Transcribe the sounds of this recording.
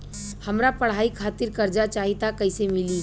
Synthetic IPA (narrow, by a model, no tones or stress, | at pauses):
hɐmɾapəɽ̤aːikʰaːt̪ɪɾkɐɾd͡ʒat͡ʃaːɦit̪akɐɪsemɪliː